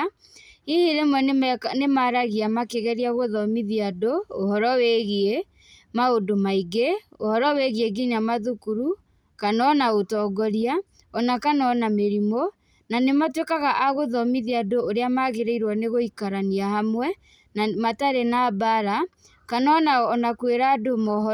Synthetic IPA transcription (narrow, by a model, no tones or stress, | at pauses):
ihiɾemwɛnnemaɾaɣiamakeɣɛɾiaɣoðɔmiðiadoːhɔɾɔweɣie | maodomaiɡeohɔɾɔweɣieɡiɲamaðukuɾu | kanɔnaotɔːɡɔɾia | ɔnakanɔnameɾimo | nanematwekaɣaʔaɣoðɔmiðiadooɾeamaːɣeɾeiɾwɔneɣoikaɾaniahamwɛ | namataɾenabaɾa | kanɔnaɔnakweɾadomɔɦ